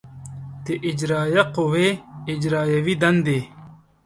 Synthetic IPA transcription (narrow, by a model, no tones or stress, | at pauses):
t̪eʔid͡ʑɾaːjɐqoweid͡ʑɾaːjɐwid̪ɐnd̪e